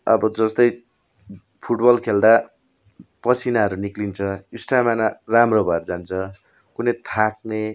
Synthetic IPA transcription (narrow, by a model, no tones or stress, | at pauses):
ʌbʌd͡zʌst̪ʌj | pʰuʈbʌlkʰeld̪a | pʌt͡sʰinaɦʌɾuniklint͡sʰʌisʈamanaramrobaɾd͡zant͡sʰʌ | kunʌjt̪ʰak̚ne